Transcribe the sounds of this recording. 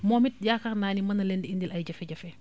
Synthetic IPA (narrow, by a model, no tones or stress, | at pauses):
mɔːmit̚jakɐxnaːnimɐnɐlɛndiindilʔɐjɟɐfɛɟɐfɛ